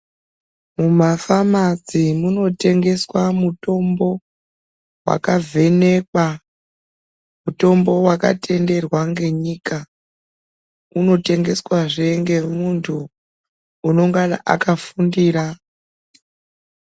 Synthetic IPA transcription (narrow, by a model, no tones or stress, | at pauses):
mumafamad͡zimuno̞te̞ŋɡe̞swamuto̞mbo̞ | wa̰kavʱe̞ne̞kwa | muto̞mbo̞waka̰tʰe̞nde̞rwaŋɡe̞ɲiːka | uno̞te̞ŋɡe̞swaʐe̞ŋɡe̞muntʰuː | no̞ŋɡana̰ʔa̰kafundiːɾa